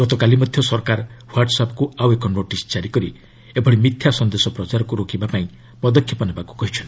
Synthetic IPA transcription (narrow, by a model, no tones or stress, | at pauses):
ɡ̥ɔt̪ɔkalimɔd̪ʱjɔsɔɾkaɾwaɾʈɔsapɔkuawekɔnoʈist͡ʃaɾikɔɾi | ebʱɔɽimit̪ʰjasɔnd̪esɔpɾɔt͡ʃaɾɔkuɾokibapaĩ | pɔd̪ɔkʰjɔpɔnebaku̥kɔɦit͡ʃʰɔnt̪i